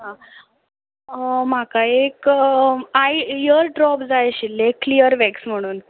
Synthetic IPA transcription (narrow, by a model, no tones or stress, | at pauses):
ɦã | makaek | ajjəɾɖɾɔpd͡zajɕilːeklijəɾʋeksm̤əɽ̃uːn